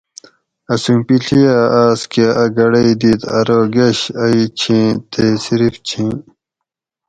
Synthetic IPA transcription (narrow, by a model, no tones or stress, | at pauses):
ɐsũmpiɬʰijaːʔaːskeʔɐɡɐɽɐid̪iːt̪ɐ̰ɾoɡeɕɐit͡ɕʰĩt̪ʰesiɾift͡ɕʰĩː